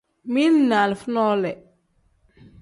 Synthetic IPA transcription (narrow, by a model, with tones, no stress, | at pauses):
mi˦nna˨lfnɔ˦lɛ˨